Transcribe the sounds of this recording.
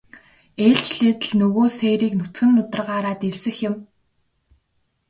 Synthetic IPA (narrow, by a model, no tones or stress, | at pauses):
eːɬt͡ɕɮeːt̪ɘ̆ɮnɵɣoːseːɾiːknʊt͡sɡɘ̆nːʊt̪ə̆rʁaːɾaːt̪eɮsɘ̆xjɪ̆m